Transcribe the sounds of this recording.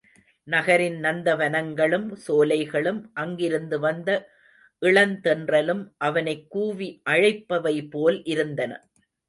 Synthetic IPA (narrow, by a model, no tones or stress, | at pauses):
nɐɣɐɾɪnnɐnd̪ɐʋɐnɐŋɡɐɭɯmsoːlɐɪɣɐɭɯmʔɐŋɡɪɾɯnd̪ɯʋɐnd̪ɐ | ʔɪɭɐnt̪ɛndrɐlɯmʔɐʋɐnɐɪkːuːʋiʔɐɻɪpːɐʋɐɪpːoːlʔɪɾɯnd̪ɐnɐ̰